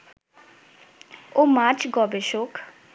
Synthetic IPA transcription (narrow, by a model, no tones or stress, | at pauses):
omat͡ʃʰɡɔbeʃok